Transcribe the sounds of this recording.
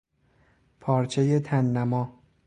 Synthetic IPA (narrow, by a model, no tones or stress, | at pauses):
pʰɒːɾt͡ʃʰe̞je̞t̪ʰænːæmɒː